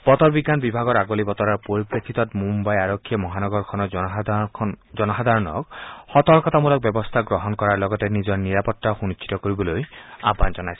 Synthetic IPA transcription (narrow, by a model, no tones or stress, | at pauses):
b̥ɔt̪ɔɹbiɡːanbibʱaɡɔɾaɡolibɔt̪ɔɾaɹpoɹipɹekʰit̪ɔtmumbajaɾokʰːijɔmɔɦanɔɡɔɹkʰɔnɔ | zɔnɔɦad̪ʱaɹɔnɔ̰kxɔt̪ɔɹkɔt̪ʰamulɔk̚bɔbɔst̪ʰaɡɾɔɦɔnkɔɹaɹlɔɡɔtenizɔɹniɾapɔtːaxunit͡ʃʰːi̥t̪ɔkoɹibɔlojaband͡ʒɔnajs